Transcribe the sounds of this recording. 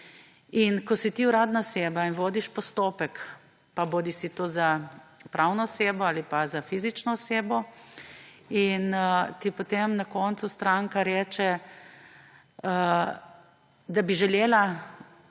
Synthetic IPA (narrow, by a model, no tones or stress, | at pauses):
inkɔsit̪iuɾaːd̪naɔseːbainʋoːd̪iʃpɔst̪oːpɛk | paboːd̪isit̪oːzapɾʔawnɔɔseːbɔaːlipazafizit͡ʃnɔːseːbɔ | inət̪ipot̪emnakɔːnt̪sust̪ɾaŋkaɾɛːt͡ʃɛ | ə | d̪abiʒɛleːla